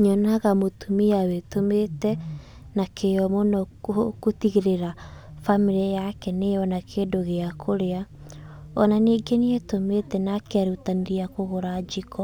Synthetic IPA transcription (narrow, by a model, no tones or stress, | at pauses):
ɲɔnaɣamotumiawetometɛ | nakʰejɔmonɔkokotiɣeɾeɾafamiɾiɛjakɛnejɔnakʰedoɣeakʰoɾea | ɔnaneɡeneetometɛnakeaɾutaneɾiakoɣoɾad͡ʒikɔ